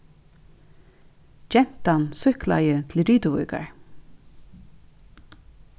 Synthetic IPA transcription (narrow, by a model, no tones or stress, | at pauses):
d͡ʒɛn̥t̪ansʏhkla̰jət̪ʰl̩ɾyːt̪əvʊ̰jka̰ɹ